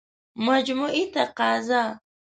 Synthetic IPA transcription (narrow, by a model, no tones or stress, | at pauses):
mad͡ʒmʊʔɪt̪aqɑza